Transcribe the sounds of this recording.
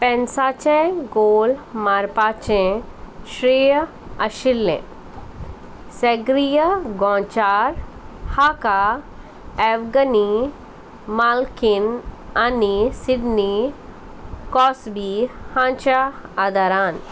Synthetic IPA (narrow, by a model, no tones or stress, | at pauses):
pɛ̃nsaːt͡ʃẽɡoːlmaːɾpaːt͡ʃẽ | ʃɾi | ɐʃilːḛ̃ | seɡɾijəɡɔ̃ːt͡ʃaːɾhaːka | ɛʋɡəni | maːlkinanisiɖni | kɔːsbihãːt͡ʃaːd̪aɾaːn